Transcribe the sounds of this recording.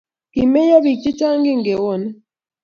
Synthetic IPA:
ki˨me˦ja˦βi˨t͡ʃi˦t͡ʃa˦ŋɡi˦ŋɡe˨wɔ˦˨nɛ˦

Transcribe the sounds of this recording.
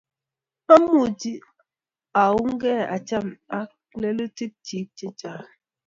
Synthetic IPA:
a˦mu˦˨di˦ | a˨wu˦ŋ̩˦ɡɛ˦a̰˨t͡ʃa˦˨ma˦ | le˦lə˦ti˦p̚t͡ʃi˨˦t͡ʃe˦t͡ʃa˨

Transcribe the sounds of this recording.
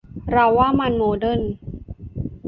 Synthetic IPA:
ɾa˧wːaː˥˩ma˧nmoː˧dɤ˥˩˨n

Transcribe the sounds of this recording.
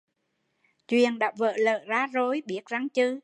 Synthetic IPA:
t͡ɕwḭ˨ənɗa̰ː˧˥və̰ː˧˨lə̰ː˧˨zaː˧zo˨˦jɓi˨˦˥ət̚za˧ŋt͡ɕɨ˧

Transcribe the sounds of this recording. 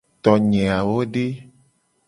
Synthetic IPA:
t̪ɔ˨ɲɛ̃˨a˨wo˦ɖe˦

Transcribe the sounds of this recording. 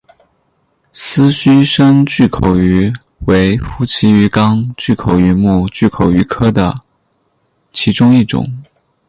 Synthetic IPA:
sɹ̩˥ɕy˥ʂə˥ŋt͡ɕy˥˩kʰo˨˩ʊy˧˥ | we˧˥ɪfu˧˥t͡ɕʰi˧˥y˧˥kɑ˥ŋt͡ɕy˥˩kʰo˨˩ʊy˧˥mu˥˧t͡ɕy˥˩kʰo˨˩ʊy˧˥kʰɤ˥d̪ə̰˨ | t͡ɕʰi˧˥ʈ͡ʂʊ˥ŋi˥˩ʈ͡ʂʊ̰˨˩˦ŋ

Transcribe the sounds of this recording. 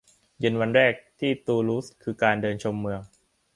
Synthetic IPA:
jɯ˧nwa˧nɾɛː˥˩k̚t̪ʰiː˥˩t̪uː˧luː˦˥skʰɯː˧kaː˧ndɤː˧nt͡ɕʰo˧mːɯ˧əŋ

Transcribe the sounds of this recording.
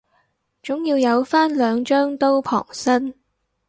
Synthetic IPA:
t͡ʃʊ˨˥ŋjiː˧wjɐ˨˧wfaː˥nlœː˨˧ŋt͡ʃœː˥ŋt̪o˥wpʰɔ̰ː˨˩ŋsɐ˥n

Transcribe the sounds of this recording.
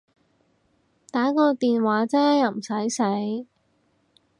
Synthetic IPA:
t̪aː˨˥kɔː˧t̪iː˨nwaː˨˥t͡sɛː˥jɐ˨˧wm̩˨˩sɐ˨˥jsɐ˨˥j

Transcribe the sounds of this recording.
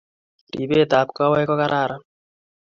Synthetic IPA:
ɾḭ˨βeː˦t̪a˨pka˦wa˦kɔ˦ka˦ɾʔaː˦˨ɾa

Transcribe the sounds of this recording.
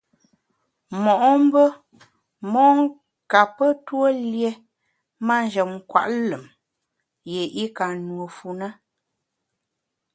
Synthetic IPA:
mɔ˨ʔɔ˦m̩˦bə˦ | mɔ˦ŋ˦ | ka˨pə˦two˦lje˦ | ma˦n˦d͡ʒə˨mŋ˨kwa̰˨ʔlə˨m | je˨ʔi˦ka˨nwo˨fu˨na˦

